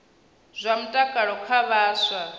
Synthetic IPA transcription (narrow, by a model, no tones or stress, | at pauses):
z̥ʷam̩tʼakʼaɺɔkʰaβaːsʷa